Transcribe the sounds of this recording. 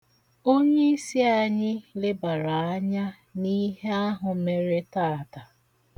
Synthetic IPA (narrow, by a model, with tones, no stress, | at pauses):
o˦ɲe˦i˦si˦a˨ɲɪ˦lɪ˦ba˨ɾa˨a˦ɲa˦ | ni˦ɦe˦a˦ɦʊ˨˦me˦ɾe˦taː˦˨ta˨